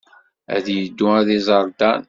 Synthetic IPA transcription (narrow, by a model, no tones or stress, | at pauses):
æ̰ðjəd̪ːʊæðizˤɑɾˤd̪ɑn